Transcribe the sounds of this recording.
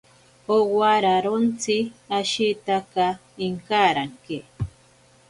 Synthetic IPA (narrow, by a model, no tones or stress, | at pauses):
owaɾaɾont͡siaʃit̪aka | iŋkaɾaŋke